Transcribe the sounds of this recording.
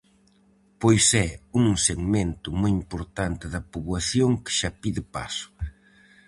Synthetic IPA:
pojsɛuŋseɣmẽnt̪ʊmojimpoɾt̪ant̪ɪðɐpuβwaθjoŋkɪ̥ʃapiðɪpa̰sʊ̥

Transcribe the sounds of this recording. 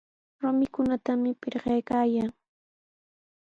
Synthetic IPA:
ɾʊmɪkʊnat̪amɪpɪɾɢɑjkaːjaːŋ

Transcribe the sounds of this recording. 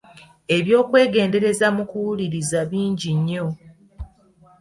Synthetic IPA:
e̞βjo̞ːkwe̞ːɡe̞ːnde̞ɾe̞zamukuwuliɾizaβiːɲɟiɲːo̞

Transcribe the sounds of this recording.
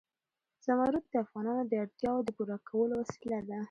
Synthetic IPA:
z̥amaɾut̪̚d̪əafɣɑnɑnod̪əaɽt̪jɑwod̪əpuɾɑkʰawəlowasilad̪a

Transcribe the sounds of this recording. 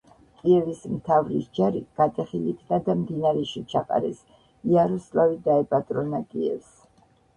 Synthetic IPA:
kʼiɛvismt̪ʰavɾḭsd͡ʒaɾiɡ̥at̪ʼɛχilit̪ʰnad̪amd̪inaɾɛʃit͡ʃʰaqʼa̰ɾɛs | iaɾɔslˠavid̪aɛpʼat̪ʼɾɔnakʼiɛ̰fs

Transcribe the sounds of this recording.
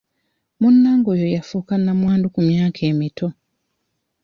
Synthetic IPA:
munːaːŋɡojojafuːkanːamwaːndukumjaːkʰe̞ːmitʰo̞

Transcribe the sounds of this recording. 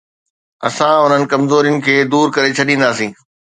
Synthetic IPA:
ɐ̰sãʊn̤ənɪ̆kɐmzoːɾijʊnɪ̆kʰeːd̪uːɾkɐɾet͡ɕʰɐɗĩːnd̪aːsĩː

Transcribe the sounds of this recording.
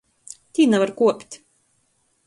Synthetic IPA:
t̪ʲiːnɛvaɾkuɔpʲt̪ʲ

